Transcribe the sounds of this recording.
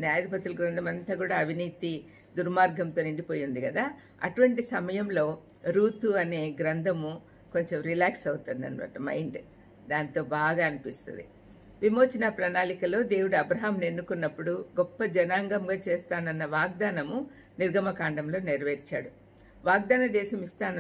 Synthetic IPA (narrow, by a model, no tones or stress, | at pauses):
njaːjɐd̪ipɐt̪ulɡɾɐnd̪ʱɐmɐnt̪aːɡuːɽaːɐʋiniːt̪i | d̪uɾmaːɾɡɐmt̪o̞ːniɳɖipo̞ːjund̪iɡɐd̪aː | ɐ̰ʈuʋɐɳʈisɐmɐjɐmlo̞ː | ɾuːt̪uɐne̞ːɡɾɐnd̪ʱɐmu | ko̞ɲt͡ʃe̞mɾilaːksɐwut̪und̪ɐ̰nʋɐ̰ːʈɐmɐ̰jɳɖ | d̪aːnt̪o̞ːbaːɡaːɐnipist̪ṵnd̪ḭ | ʋimo̞ːt͡ʃinɐpɾɐnaːlikɐlo̞ːd̪e̞ːwuɽuɐbɾɐɦamne̞nːukunːɐpːuɽuɡɔpːɐd͡ʒɐnaːŋɡɐmɡaːt͡ʃe̞ːst̪aːnɐnːɐʋaːɡ̚d̪aːnɐmu | niɾɡʱɐmɐkaːɳɖɐmlo̞ːniɾʋeːɾit͡ʃaːɽu | ʋaːɡ̚d̪aːnɐd̪ɛːʃɐmist̪aːn